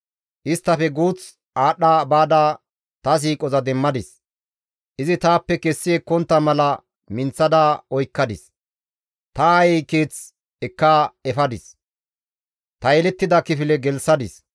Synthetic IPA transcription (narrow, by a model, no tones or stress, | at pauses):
ʔɪst̪ːɐfɛɡuːt͡s | ʔaːɗːaːbaːd̪aː | t̪ɐs̬iːkʼɔzɐd̪ɛmːɐd̪ɪs | ʔɪzɪt̪aːpːɛkɛsːɪekɔnt̪ːɐmɐlɐ | mɪnt͡sːɐd̪aːɔjkːɐd̪ɪs | t̪ɐːjɛjkeːt͡s | ɛkːaːɛfɐd̪ɪs | t̪ɐjɛlɛt̪ːɪd̪ɐkɪfɪlɛɡɛlsɐd̪ɪs